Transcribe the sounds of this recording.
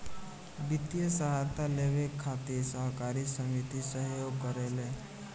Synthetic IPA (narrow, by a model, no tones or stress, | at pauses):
bit̪ijəsəɦajt̪aleʋekʰːat̪iɾsəɦkaɾisəŋʋit̪isəɦjoɡ̚kəɾele